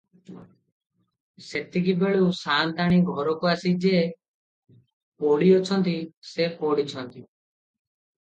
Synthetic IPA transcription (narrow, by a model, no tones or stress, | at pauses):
set̪iɡibeɭusant̪aɽ̃iɡʱɔɾɔkuasid͡ʒe | poɽiɔt͡ʃʰɔnt̪isepoɽit͡ʃʰɔnt̪i